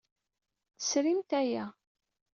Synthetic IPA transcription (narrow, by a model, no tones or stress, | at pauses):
θə̥sɾimt̪æjæ